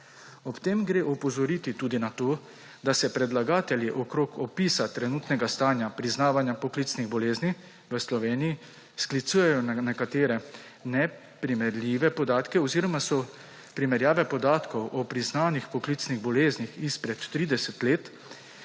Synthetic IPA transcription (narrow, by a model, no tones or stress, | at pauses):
ɔpt̪eːmɡɾeːʔɔpɔzɔɾiːt̪it̪uːd̪inat̪oː | d̪asɛpɾɛd̪laɡaːt̪ɛljiʔɔkɾoːkɔpiːsat̪ɾɛnuːt̪nɛɡast̪aːnjapɾiznaːʋanjapɔkliːt̪sniɣbɔleːzni | ʋəslɔʋeːniji | sklit̪suːjɛjɔnnɛkat̪eːɾɛ | nɛ | pɾimɛɾlʲiːʋɛpɔd̪aːt̪kɛɔziːɾɔmasɔ | pɾimɛɾjaːʋɛpɔd̪aːt̪kɔwʔɔpɾiznaːnixpɔkliːt̪sniɣbɔleːznixispɾɛt̪ːɾiːd̪ɛsɛt̪leːt̪